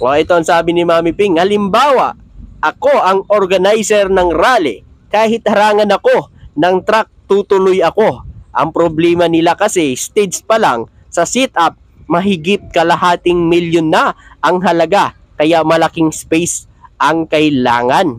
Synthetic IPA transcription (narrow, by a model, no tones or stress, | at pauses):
ʔoʔɛt̪oɐŋsaːbɪnɪmaːmɪpiŋhɐlɪmbaːwɐ̰ʔʔɐko̞ʔɐŋʔoɾɡɐnajsɛɾnɐŋɾaːlɪ̰ | kaːhɪt̪̚hɐɾaːŋɐnɐko̞nɐŋt̪ɾak̚t̪ut̪ʊlojɐko̞ʔɐ̰ŋpɾoblɛːmɐnɪlakɐsɛst̪ɛd̪spɐlaŋ | sɐsɛt̪ʔap̚ | mɐɦɪɡɪp̚kɐlɐɦaːt̪ɪŋmiljonːɐʔɐŋɦɐlɐɡa | kɐjamɐlɐkiŋspɛjs | ʔɐŋkɐɪla̰ːŋɐn